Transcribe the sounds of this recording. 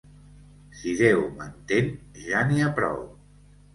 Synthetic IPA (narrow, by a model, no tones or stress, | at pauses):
siðewmənt̪enʒaniapɾɔ̰w